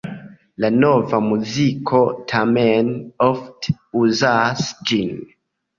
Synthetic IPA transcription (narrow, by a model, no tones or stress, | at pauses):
lanovamuzikʰotʰamenɔft | uzasd͡ʒin